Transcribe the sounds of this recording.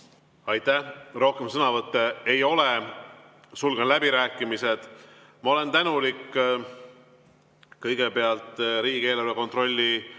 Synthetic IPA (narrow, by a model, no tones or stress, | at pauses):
ɑjt̪ːˑæhro̞hke̞msɤnɑvɤt̪ːˑe̞ejo̞le | sulɡ̥ɑnlæbiɾæːkːˑimise̞d̪̥ | mɑo̞le̞nt̪ænulikː | kɤjɡ̥e̞pe̞ɑlt̪ˑɾiːɡe̞ːlɑrveko̞nt̪ro̞lʲːi